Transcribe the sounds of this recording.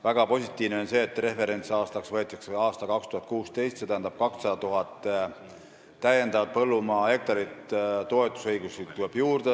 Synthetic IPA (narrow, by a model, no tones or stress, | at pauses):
væɡ̥ɑpo̞sʲit̪ːˑiːvneo̞nse̞ːt̪ːre̞fe̞ɾe̞nt̪sɑːst̪ɑksvɤet̪ːˑɑkseɑːst̪ɑkɑkst̪uhɑt̪̚kuːst̪e̞jst̪se̞t̪æɦænd̪ɑb̥̚kɑkssɑd̪ɑt̪uɦɑt̪ːˑ | æje̞nd̪ɑvɑt̪̚pɤlːumɑːe̞k̚t̪ɑɾit̪t̪o̞e̞t̪ːˑu̥sɤjɡ̥usit̪ːuleb̥juːrd̪e